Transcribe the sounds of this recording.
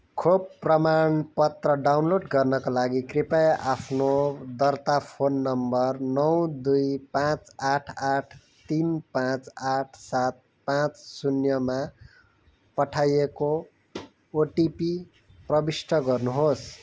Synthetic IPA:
kʰobpːrʌmaɳpʌt̪rʌɖawnloɖɡʌrnʌkalaɡikripajapʰnod̪ʌrt̪apʰonːʌmbʌrnʌw̃d̪ujpãt͡saʈʰaʈʰ | t̪inpãt͡saʈʰsat̪̚ | pãt͡ssunjʌma | pʌʈʰajekoː | ʈipi | prʌbisʈʰʌɡʌrnuɦos

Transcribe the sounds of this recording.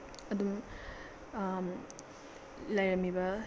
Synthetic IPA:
ɐd̪um | lɐjɾɐmːibɐ

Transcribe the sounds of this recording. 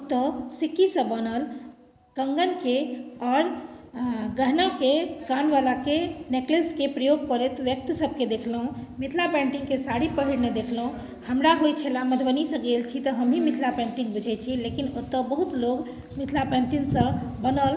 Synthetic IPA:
ot̪ːəsikːisə̃bənəl | kəŋɡənkeɔɾ | ɡəɦnakekanʋalakenekleskepɾəjoɡ̚kəɾet̪ʋjək̚t̪səb̚ked̪ekʰləɦũmit̪ʰlapɛ̃ɳʈiŋkesaɽipəɦiɽned̪ekʰləɦũ | həmɾaɦojt͡ʃʰelaməd̪ʰʱbənisə̃ɡelt͡ʃʰit̪əɦəmɦimit̪ʰlapɛ̃ɳʈiŋɡbud͡ʒʱɛt͡ʃʰilekinot̪ːəbəɦut̪loɡ | mit̪ʰlapɛ̃ɳʈinsə̃bənəl

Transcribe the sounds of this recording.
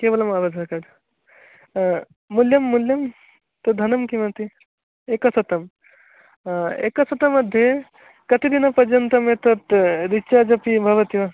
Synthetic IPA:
kebɐlɐmaʋɐd̪ʱɐkɐd͡ʒ | muljɐmːuljɐm | t̪ɐd̪ʱɐnɐmkimɐt̪i | ekɐsɐt̪ɐm | ḛkɐsɐt̪ɐmɐd̪ʱje | kɐt̪id̪inapɐd͡ʒɐnt̪ɐmet̪ɐt̪ɾit͡ʃad͡ʒɐpibʱɐʋɐt̪iʋɐ

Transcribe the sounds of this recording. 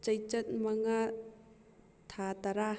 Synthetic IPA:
t͡ʃəjt͡ʃət̪̚maŋa | t̪ʰat̪aɾa

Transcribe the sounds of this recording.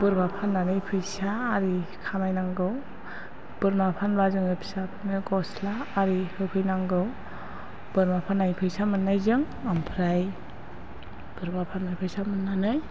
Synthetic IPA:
b̥ɯɾmapʰanːanɯjpʰɯjsaːɾikʰamajnaŋɡɯw | b̥ɯɾmapʰanbazɯŋɯpʰi̥sapʰɯnɯɡɔslaːɾihɯpʰɯjnaŋɡɯw | b̥ɯɾmapʰanːaŋpʰɯjsamɯnːajzɯŋ | ampʰɾaj | b̥ɯɾmapʰanmajpʰɯjsamɯnːanɯj

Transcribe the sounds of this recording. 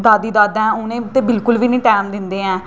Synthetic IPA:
d̪aːd̪iːd̪aːd̪ɛ̃ʊnẽːt̪eːbɪlkʊlʋiːnəĩːʈɛːmd̪ɪnd̪eːɛ̃ː

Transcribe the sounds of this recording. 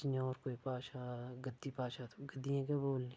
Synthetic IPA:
t͡ʃñɔːɾkoːipaːʃaɡəd̪ːipaːʃat̪ʰo̥ɡəd̪ːijãkeboːlːĩ

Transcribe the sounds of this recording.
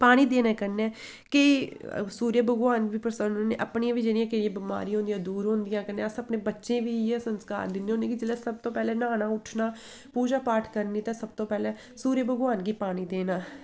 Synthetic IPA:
paːɽ̃iːd̪eːnɛːkəɾnɛː | kɪsuːɾjəbʱəɡʋaːnʋiːpɾəsənḛːʔə̰pniãːʋiːd͡ʒenĩãːkeiãːbɪma̰ːɾiːɦõnd̪ijãːd̪uːɾɦõːnd̪ɪjãːkəɾnːɛ̃ːsəpneːbətːʃẽːʋiːɛːsənska̰ːɾd̪ɪnːeːonẽːkid͡ʒɪlɛːsəb̚t̪õːpɛːlɛːnaːnaːʊʈʰnaː | puːd͡ʒaːpaːʈʰkəɾniːt̪ãːsəb̚t̪õːpɛːlɛː | suːɾjəbəɡʋaːnɡiːpaːñiːd̪eːnaː

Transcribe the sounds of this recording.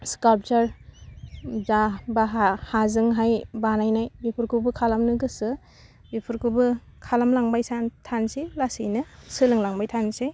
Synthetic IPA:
skalp̚t͡ʃaɾ | zabaɦhazɯŋɦajbanajnajbipʰuɾkʰubɯkʰalamnɯɡɯsɯ | bipʰuɾkubɯ | kʰalamlaŋbajsantʰansilasijnɯsɯlɯŋlaŋbajtʰanse

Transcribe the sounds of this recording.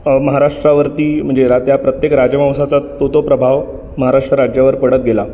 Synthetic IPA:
məɦaɾaʂʈɾaʋəɾt̪iːm̤əɳd͡zeɾat̪japɾət̪jekɾad͡ʑjəmãwsat͡sat̪ot̪opɾəbʱaʋ | məɦaɾaʂʈɾəɾad͡ʑjaʋəɾpəɽət̪̚ɡʱela

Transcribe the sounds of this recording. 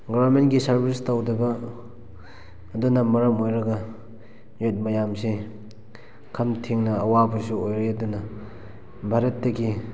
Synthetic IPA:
ɡɔbɐɾmentɡisɐɾbʱistawdɐbɐ | dunɐmɐɾɐmojɾɐɡɐ | jot̚mɐjamse | kʰɐmtʰiŋnɐɐwabɐsuojɾeɐdunɐ | bʱaɾɐtːɐɡi

